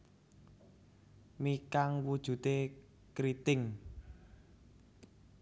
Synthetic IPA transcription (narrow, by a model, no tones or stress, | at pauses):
mikaŋwud̥ʒ̥ṳt̪e | kɾit̪ɪŋ